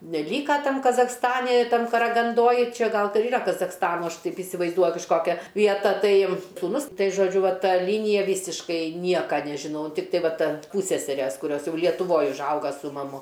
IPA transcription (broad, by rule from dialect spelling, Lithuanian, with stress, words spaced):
nʲɛˈlʲiːkɐ ˈtɐm kɐzɐxsˈtɑːnʲɪ ˈtɐm kɐrɐɡɐnˈdoːj ˈt͡ʃʲɛ ˈɡɐlˠ ˈtɐ ˈiːrɐ kɐzɐxsˈtɑːnoː ˈɐʃ ˈtɐɪp ɪsʲɪʋɐɪzˈduɔjʊ kɐʃˈkoːkʲɛ ʋʲiɛˈtɐ ˈtɐɪ suːˈnʊs ˈtɐɪ ʒoːˈd͡ʒʲʊ ˈʋɐ ˈtɐ ˈlʲiːnʲɪjɛ ˈʋʲiːsʲɪʃkɐɪ ˈnʲiɛkɐ nʲɛʒʲɪˈnɐʊ ˈtʲɪktɐɪ ˈʋɐ ˈtʲɛn ˈpuːsʲsʲɛsʲɛrʲɛs kʊˈrʲoːs ˈjɛʊ lʲiɛtʊˈʋoːj ʊʒˈɐʊɡɐ sʊ mɐˈmʊ